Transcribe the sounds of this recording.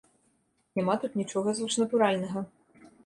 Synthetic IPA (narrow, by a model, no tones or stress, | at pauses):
nʲamat̪ut̪nʲit͡ʂɔɣɐzvɨʂnɐt̪uɾalʲnɐɣɐ